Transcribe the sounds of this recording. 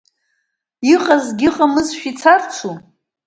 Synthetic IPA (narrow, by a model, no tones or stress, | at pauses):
iqʼazɡʲɪqʼamɨzʃᶣit͡sʰart͡ʃʷʰu